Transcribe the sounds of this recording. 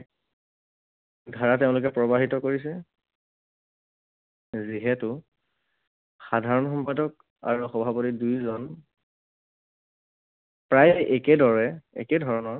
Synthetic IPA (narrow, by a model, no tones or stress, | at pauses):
ɡʱaɹateʊ̃lʊkɛpɹɔbaɦitɔkoɹis̬ɛ | ziɦɛtʊ | xadʱaɹɔnxɔmpadɔk̚ | a̰ɹuxɔbʱapɔtidujzɔn | pɹajɛkɛdɔɹɛɛ̰kɛdʱɔɹɔnɔɹ